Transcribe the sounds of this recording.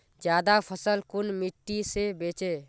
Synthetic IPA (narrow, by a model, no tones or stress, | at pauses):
d͡ʒjaːd̪apʰəsəlkʊnmɪʈːisebeːt͡ʃe